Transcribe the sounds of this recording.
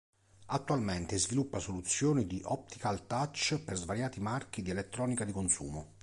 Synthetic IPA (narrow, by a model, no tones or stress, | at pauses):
at̪ːualment̪ezvilupːasolut̪sːjoːnid̪iʔɔp̚t̪ikalt̪at͡ʃːperzvaɾjaːt̪imark̟id̪ielet̪ːɾɔːnikad̪ikonsṵːmo